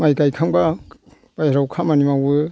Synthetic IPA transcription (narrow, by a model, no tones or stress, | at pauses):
majkajkʰaŋba | b̥ajɾawkʰamanimawɯ